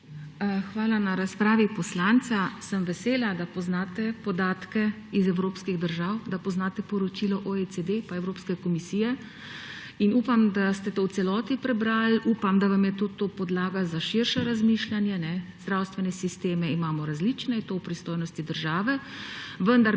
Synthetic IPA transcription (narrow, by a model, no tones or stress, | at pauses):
xʋaːlanaɾaspɾaːʋipɔslant̪sasəmʋɛseːlad̪apɔznaːt̪ɛpɔd̪aːt̪kɛ | izɛwɾoːpskiɣd̪əɾʒaːwd̪apɔznaːt̪ɛpɔɾɔt͡ʃilɔʔoet͡s̪ed̪epaɛwɾoːpskɛkɔmisiːjɛ | inuːpamd̪ast̪ɛt̪oːw̪sɛlɔːt̪ipɾɛbɾaluːpamd̪aʋamjɛt̪oːt̪oːpɔd̪laːɡazaʃiɾʃaɾazmiːʃlanjɛnɛzd̪ɾawst̪ʋɛnɛsist̪eːmɛimaːmɔɾazlit͡ʃnɛit̪owpɾist̪oːjnɔst̪id̪əɾʒaːʋɛ | ʋənd̪aɾ